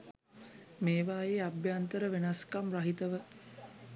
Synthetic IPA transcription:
meːʋaːjeːabjant̪əɾəʋenaskamraɦit̪əʋə

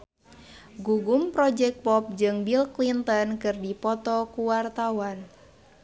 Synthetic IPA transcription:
ɡuɡumpɾɔd͡ʒɛk̚pɔp̚d͡ʒɨŋbilklint̪ɔnkɨrdipɔt̪ɔkuwart̪awan

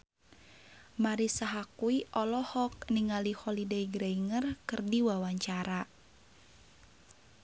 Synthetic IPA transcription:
maɾisaɦakuiʔɔlɔhɔk̚niŋalihɔlideiɡɾaiŋərkɨrdiwawaɲt͡ʃaɾa

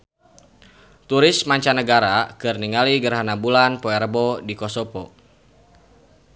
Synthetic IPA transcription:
t̪uɾɪsmaɲt͡ʃanəɡaɾakɨrniŋaliɡərɦanabulanpɔɛrbɔdikɔsɔpɔ

